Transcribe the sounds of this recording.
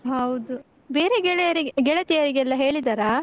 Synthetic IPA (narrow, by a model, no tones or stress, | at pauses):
ɦɐwd̪u | beːɾeɡɛɭeɐɾiɡeɡɛɭɐt̪ijɐɾiɡeɛlːɐɦe̞ːɭid̪aːɾa